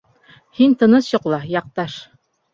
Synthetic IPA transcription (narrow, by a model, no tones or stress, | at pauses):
hint̪ɤ̆nɤsjŏqlˠɑjɑq̚t̪ɑʃ